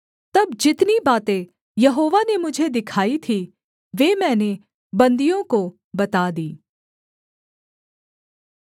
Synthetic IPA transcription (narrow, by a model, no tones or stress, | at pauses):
t̪ɐbd͡ʒɪt̪nibaːt̪ẽ | jɐɦoːʋanemʊd͡ʒʱed̪ɪkʰaːit̪ʰi | ʋeːmɛ̃ːne | bɐ̃nd̪ijõko | bɐt̪aːd̪iː